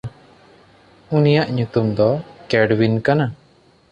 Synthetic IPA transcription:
unijaʔɲut̪umd̪ɔkɛɖwinkana

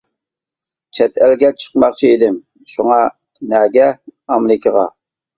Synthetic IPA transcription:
t͡ʃʰɛt̪ʰælɡʲɛt͡ʃʰə̥qmɑχt͡ʃʰied̪ɪm | ʃuŋɑ | nɛːɡʲɛɑmɪɾɪkʰʲəʁɑ

